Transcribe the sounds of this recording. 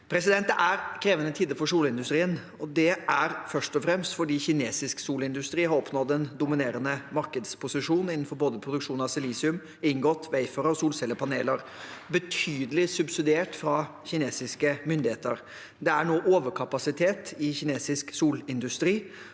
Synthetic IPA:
pʰɾɛsɪd̪ɛnt̪əʔæɾkʰɾeːʋənət̪ʰiːd̪əfɔʂuːlɪnd̪ʉst̪ɾiːən | ɔd̪ɛʔæɾfœʂʈɔfɾɛmst̪fɔɖiːçɪneːsɪsksuːlɪnd̪ʉst̪ɾiːhɑɾɔpnɔd̪ɛnd̪ʊmɪneːɾənəmɑɾkəd̪spʰʊsɪʂuːnɪnːn̩fɔɾboːd̪əpʰɾʊd̪ʉkʂuːnəɑsɪliːsɪʉm | ɪŋɡɔt̪ːʋæɪføːɾəɔsuːlsɛlːəpʰɑnḛːləɾ | bət̪ʰyːd̪əlɪsʉbsɪd̪ɪeːʈfɾɑ | çɪneːsɪskəmʏnd̪ɪheːt̪əɾ | d̪ɛæɳoːʔoːʋəɾkʰɑpɑsɪt̪ʰeːt̪ɪçɪneːsɪsksuːlɪnd̪ʉst̪ɾiː

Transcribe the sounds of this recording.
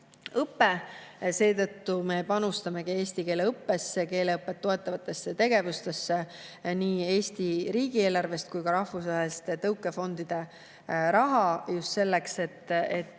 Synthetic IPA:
ɤpːe̞se̞ːt̪ɤ̞t̪ːume̞pɑnust̪ɑme̞ɡ̥ie̞ːst̪ike̞ːleɤpːe̞sːeke̞ːle̞ɤpːˑe̞t̪ːo̞e̞t̪ːˑɑvɑt̪ːˑe̞sːet̪e̞ɡe̞vust̪e̞sːeniːe̞ːst̪iɾiːɡie̞ːlɑrve̞st̪̚kujkɑɾɑhfusvɑɦest̪et̪ɤwkːˑe̞fo̞nd̪̥id̪̥e̞ | ɾɑɦɑjust̪se̞lːekse̞t̪ːˑet̪ːˑ

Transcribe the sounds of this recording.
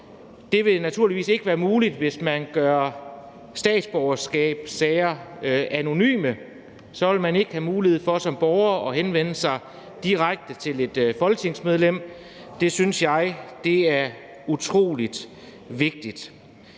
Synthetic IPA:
d̥e̝ʋe̝næt͡sʰuɐliʋḭːse̝ɡ̥əʋæːɐmuːlid̥ʋe̝smænɡ̥ɶɐ | sd̥ɛ̰ːd̥sb̥ɒʊɐsɡ̥ɛ̰ːb̥sɛɪɐʔæno̝ny̰ːmə | sɒ̽ʋe̝lmæne̝ɡ̥əhæmuːlihe̝ð̞̩̰ˠfɒ̽sɒ̽mb̥ɒʊɐɒ̽ɦenʋen̰əsɑ̈ɪ | d̥iʁaɡ̥̚d̥ət͡sʰe̝le̝d̥fɒ̽lɡ̥ə̥t͡sʰe̝ŋ̰smeð̞ˠlem̰ | d̥e̝synsjɑ̈ɪd̥e̝æɐ | ut͡sʰʁo̝̰ːlid̥ | ʋe̝ɡ̥̚d̥id̥

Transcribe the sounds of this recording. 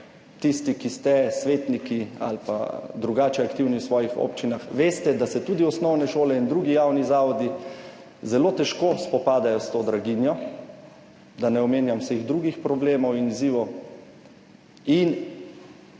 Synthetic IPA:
t̪ist̪ikist̪ɛsʋeːt̪nikia̰lpa̰d̪ɾuɡaːt͡ʃɛakt̪iwniwsʋɔːjixo̰pt͡ʃinaxʋeːst̪ɛd̪asɛt̪uːd̪iɔsnɔwnɛʃoːlɛind̪ɾuːɡijaːwnizaːʋɔd̪i | zɛlot̪ɛʃkospɔpaːd̪ajɔst̪oːd̪ɾaɡinjɔ | d̪anɛɔmeːnjamwseɣd̪ɾuɡixpɾɔbleːmɔwiniziːʋɔw | in

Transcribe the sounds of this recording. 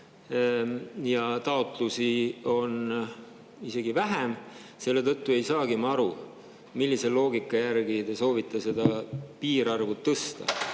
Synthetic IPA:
jɑt̪ɑo̞t̪ˑlusio̞n | ise̞ɡivæɦem | se̞lːe̞t̪ɤt̪ːue̞jsɑːɡ̥imɑɑɾu | milːise̞lo̞ːɡikːˑɑjærɡid̪eso̞ːvit̪ˑːɑse̞d̪ɑpiːɾɑrvut̪ːɤst̪ɑ̰

